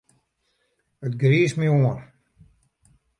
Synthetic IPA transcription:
ətɡɾiːsmioən

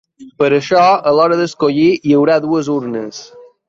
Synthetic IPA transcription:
pəɾəʃɔəlɔɾəðəskoʎiiəwɾaðuəzuɾnəs

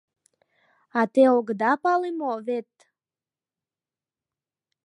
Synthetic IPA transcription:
at̪eoɡd̪ɑpɑlimovet̪

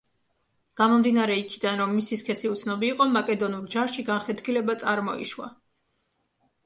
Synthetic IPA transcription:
ɡ̥amɔmd̪inaɾɛikʰid̪anɾɔmːisiskʰɛsiut̪sʰnɔbiːqʼɔmakʼɛd̪ɔnuɾd͡ʒaʃiɡanχɛt̪ʰkʰilɛbat̪sʼaɾmɔḭʃwa̰

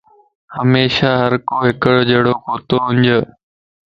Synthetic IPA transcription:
həmeːʃaɦɐɾkoːɦɪkəɽd͡ʑeːɽoːkoːt̪oːɦʊ̃ɲd͡ʑə

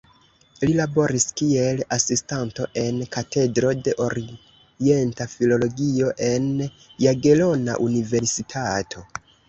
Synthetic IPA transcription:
lilabo̞ɾiskie̞lasistanto̞ʔe̞nkate̞dɾo̞de̞ʔo̞ɾi | e̞ntafilo̞lo̞ɡio̞ʔe̞n | jaɡe̞lo̞na̰ʔunive̞ɾsitʰatʰo̞

